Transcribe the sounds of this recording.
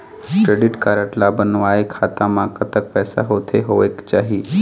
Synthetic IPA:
kɾeɖiʈkaːɾəʈlabənʋaekʰaːt̪ãmãkət̪ək̚pɛːsa̰ɦot̪ʰeɦoeːkt͡ʃaːɦi

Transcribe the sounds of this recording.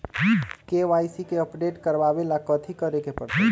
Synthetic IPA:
keʋaːisikeəpɖeːʈkəɾbabelakət̪ʰikəɾekepəɽt̪ʰ

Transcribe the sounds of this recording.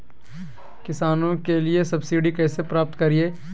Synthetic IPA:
kɪsaːnõkeliesɐbsiːɖikɛːsepɾaːp̚t̪kɐɾieː

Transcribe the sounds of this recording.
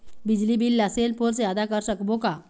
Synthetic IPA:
bid͡ʑlibilːaselpoɾt͡sjad̪akəɾsəkboka

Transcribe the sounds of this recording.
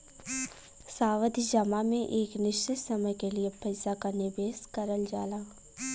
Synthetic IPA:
saːʋəd̪ʱid͡ʒəmamẽʔeːknɪʃt͡ʃɪt̪sɐməjkeliepɛɪsakanɪbeːskɐɾəld͡ʒaːlaː

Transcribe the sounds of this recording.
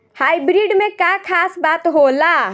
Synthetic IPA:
hajbɾiɖmekakʰasbat̪ɦola

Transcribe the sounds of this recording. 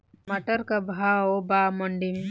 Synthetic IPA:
mɐʈəɾkɐbʱaobaːmɐɳɖim

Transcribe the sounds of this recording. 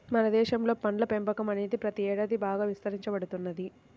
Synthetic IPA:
mɐnɐd̪ɛːʃɐmlo̞ːpɐnlɐpembɐkɐmɐneːd̪ipɾɐt̪iɛːɽaːd̪ibaːɡaːʋist̪ɐɾiɲt͡ʃɐbɐɽut̪unːɐd̪i

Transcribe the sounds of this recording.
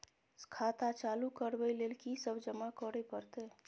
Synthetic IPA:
skʰat̪at͡ʃalukəɾbəjlelkisəbʱd͡ʒəmakɔɾepəɾt̪e

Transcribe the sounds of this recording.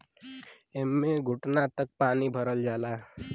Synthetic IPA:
emːeɡʱʊʈnat̪ək̚paːnibʱəɾəld͡ʒaːlaː

